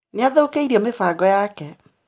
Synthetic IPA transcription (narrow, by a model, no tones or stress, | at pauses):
neaðookeiɾiɔmefaːɡɔjakɛ